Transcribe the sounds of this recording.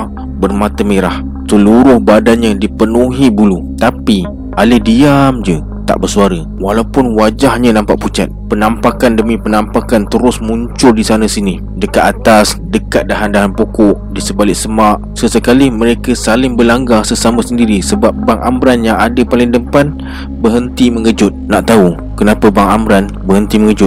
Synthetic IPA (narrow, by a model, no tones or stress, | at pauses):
bərmat̪əmeɾah | səluɾʊhbadanɲãdipənuɦibulu | t̪api | alədiamd͡ʒə | t̪a̰ʔbərsuaɾə | walaupʊnwad͡ʒahɲanampaʔput͡ʃa̰t̪̚pənampakandəmipənampakant̪əɾʊsmuɲt͡ʃʊldisanəsini | dəkat̪at̪asdəkat̪̚daɦandaɦanpokɔʔdisəbalɪʔsəmaʔ | səsəkalɪhməɾekasalɪŋbəlaŋɡasəsaməsəndiɾisəbap̚baŋʔa̰mɾanjaŋadapalɪŋdəmpan | bəɦənt̪iməŋəd͡ʒʊt̪̚naʔt̪au | kənapəbaŋamɾan | bəɦənt̪iməŋəd͡ʒʊt̚